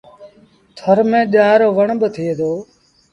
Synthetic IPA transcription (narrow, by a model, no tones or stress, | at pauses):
t̪ʰəɾmẽːɗaːɾoːʋəɳɓət̪ʰied̪oː